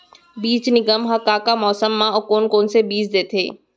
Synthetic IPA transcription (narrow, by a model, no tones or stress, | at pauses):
biːt͡ʃnɪɡəmɦɐkakamɔːsəmːãɔkoːnkoːnsebiːt͡ʃd̪eːt̪ʰḛː